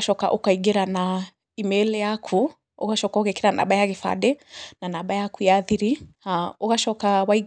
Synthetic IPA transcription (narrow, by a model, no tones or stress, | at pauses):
aʃɔka̰ʔukaiɡiɾana | imɛlɛjakʰu | ukaʃɔkaukaikiɾana̰ɓajakɛfa̰ɗɛnanaɓajakujaðiɾiaukaʃɔkawai